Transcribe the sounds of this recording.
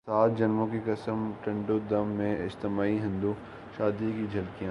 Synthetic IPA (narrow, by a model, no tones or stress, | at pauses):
saːt̪d͡ʒɐnmõkekɐsəmʈẽɳɖod̪ɐmːẽɪd͡ʒt̪ɪmaːiɦɪ̃nd̪uː | ʃaːd̪ikid͡ʒʱɐlkijã